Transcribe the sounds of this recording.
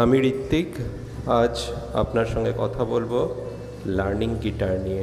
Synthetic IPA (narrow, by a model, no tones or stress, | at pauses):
amiɾit̪ːik | ad͡ʑa̰pnaɾʃɔŋɡekɔt̪ʰabolbo | laɾniŋɡiʈaɾnie